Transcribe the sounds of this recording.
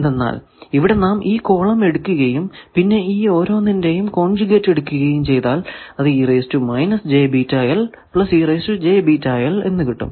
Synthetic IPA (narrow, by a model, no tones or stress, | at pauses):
end̪enːa̰ːl | iʋiɽe̞naːmʔiːko̞ːɭɐme̞ɽukːuɣɐjumpinːe̞iːo̞ːɾo̞ːnːinde̞jumko̞ːɳd͡ʑuɣetːe̞ɽukːuɣɐjumt͡ɕe̞jt̪aːlɐðɨiːrejstumɐjnɐsd͡ʑe̞ːbiːtːajɐl | pɭɐsiːrejːstud͡ʑe̞ːbitajɐle̞nːɨkiʈːṵm